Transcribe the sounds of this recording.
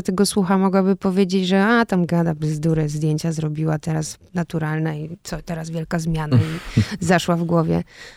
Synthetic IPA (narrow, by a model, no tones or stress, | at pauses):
t̪ɛɡɔswuxamɔɡwabɘpɔvʲjed͡ʑed͡ʑʐɛat̪amɡad̪abɘzd̪uɾɛzd̪ʲjeɲt͡ɕazɾɔbʲiwat̪ɛɾas | nat̪uɾalnɛit̪sɔt̪ɛɾasvjɛlkazmʲjanaizaʂwavɡwɔvʲjɛ̰